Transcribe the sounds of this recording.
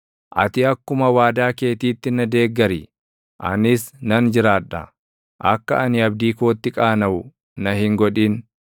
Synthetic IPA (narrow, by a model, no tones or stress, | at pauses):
ʔɐ̰t̪ɪɐkːʊmɐwaːd̪aːke̞ːt̪iːt̪ːɪnɐd̪e̞ːɡːɐɾi | ʔɐ̰nɪsnɐnd͡ʒɪɾaːᶑɐ̰ | ʔɐkːɐʔɐnɪɐbd̪iːkoːt̪ːɪkʼaːnɐʊ | nɐhɪŋɡɔᶑiːn